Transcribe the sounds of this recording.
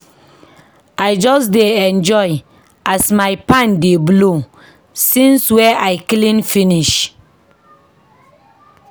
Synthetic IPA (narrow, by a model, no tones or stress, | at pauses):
aɪd͡ʒɔsdeɛ̃nd͡ʒɔɪ | ʔasmaɪpãndeblo | sĩnswɛʔaɪklĩnfĩniʃ